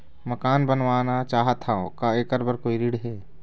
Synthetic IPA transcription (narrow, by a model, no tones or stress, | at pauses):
mɐkaːnbənʋaːnat͡ʃaːɦət̪aõkaeːkəɾbəɾkoːiɾiːɖɦɛː